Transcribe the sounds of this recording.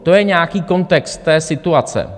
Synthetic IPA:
t̪o̞jɛɲɛakiːko̞nt̪ɛkst̪ːɛːsɪt̪uat͡sɛ̰

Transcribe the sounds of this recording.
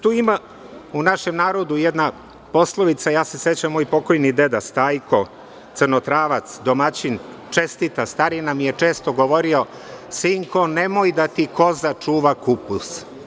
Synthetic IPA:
t̪uːima | unaʃe̞mnaːɾo̞d̪ujed̪na | po̞slˠoʋit̪sajaːse̞set͡ɕamːoːjpo̞ko̞jnid̪e̞d̪ast̪aːjko̞ | t̪sərno̞t̪ɾaːʋat̪sd̪o̞mat͡ɕin | t͡ʃest̪it̪ast̪aːɾinamije̞t͡ʂe̞ːst̪o̞ɡoʋo̞ɾio̞ | siŋkonemo̞jd̪at̪iko̞zat͡ʂuːʋakupus

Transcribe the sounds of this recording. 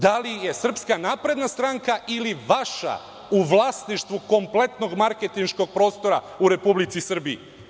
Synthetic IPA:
d̪alijesr̩pskanaːpɾe̞d̪nast̪ɾaŋkaʔiliʋaʃa̰ | uʋlˠasniʃt̪ʋuko̞mplˠe̞t̪no̞ɡmaɾket̪inʃko̞ɡ̚pɾo̞ːst̪o̞ɾa | uɾe̞publit̪sisr̩biː

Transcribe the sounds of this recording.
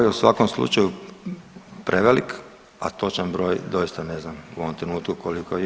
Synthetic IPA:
jeusʋakomslˠṵt͡ʃaju | pɾʔeʋelik | a̰t̪o̞t͡ʃanbɾo̞ːjd̪o̞jist̪ane̞znamuoʋomt̪ɾe̞nuːt̪kukoliko

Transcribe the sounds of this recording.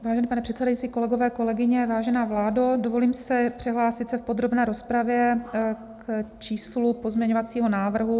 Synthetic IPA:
vaːʒɛnɛːpanɛpr̥ɛt̪sɛdajitt͡siːko̞lɛɡovɛːko̞lɛɡɪɲɛvaːʒɛnaːvlaːdodovo̞liːmsɪpr̥ɪɦlaːsɪt̪sɛfpo̞d̪ɾo̞bnɛːɾo̞spɾavjɛ | kt͡ʃiːslupozmɲɛɲovat͡siːɦo̞naːvr̩ɦu

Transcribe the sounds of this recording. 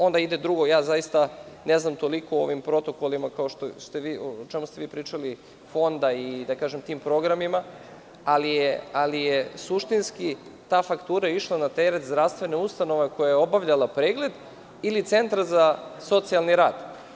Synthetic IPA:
o̞nd̪aid̪ed̪ɾuɡo̞jaːzajist̪ane̞znamt̪o̞liko̞o̞̰ʋimpɾo̞t̪o̞ko̞limakaoʃt̪ost̪e̞ʋiːot͡ʃemust̪eʋiːpɾiːt͡ʃali | fo̞nd̪aid̪akaːʒemt̪iːmpɾo̞ɡɾamima | alijealijesuʃt̪inskit̪aːfakt̪uːɾaiʃlˠanat̪eɾet̪zd̪ɾaʋst̪ʋe̞neust̪ano̞ʋeko̞jajeo̞baʋʎalˠapɾeːɡle̞d̪ | ilit̪se̞nt̪ɾazaso̞t̪sialˠniɾaːd̪̥

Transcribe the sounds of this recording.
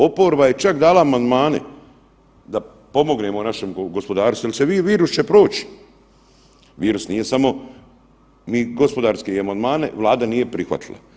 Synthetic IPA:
o̞po̞ɾbaje̞t͡ʃakd̪aːlaːmand̪maːne̞̰ | d̪a | po̞mo̞ɡne̞monaʃemɡo̞spo̞d̪aːɾsujaliseʋiːʋiːɾust͡ɕepɾo̞ːt͡ɕi̥ | ʋiːɾusnije̞samo̞ | miːɡo̞spo̞d̪aːɾske̞iamand̪maːne̞̰ʋlˠaːd̪anije̞pɾixʋa̰t̪ʰi̥lˠa̰

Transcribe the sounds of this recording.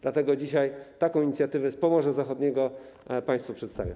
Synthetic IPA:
d̪̥lat̪ɛɡɔd͡ʑiɕajt̪akɔ̃w̃iɲit̪sʲjat̪ɘvɛspɔmɔʐɛzaxɔd̪ɲɛɡɔpaj̃st̪fupʂɛt̪st̪a̰vjɔ̰

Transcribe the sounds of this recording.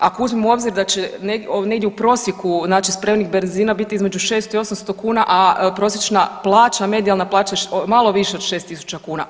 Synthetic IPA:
akouzmimuo̞bziɾd̪at͡ɕeneɡone̞ɡd̪jeupɾo̞sjekuznaːt͡ʃispɾemnixbenziːnabit̪iizme̞d͡ʒuʃe̞ːst̪oio̞samst̪o̞kuːnaʔapɾo̞sjet͡ʃnaplˠaːt͡ʃame̞d̪ialˠnaplˠaːt͡ʃamalˠoʋiʃeo̞d̪ʃest̪isu̥t͡ʃakuːna̰

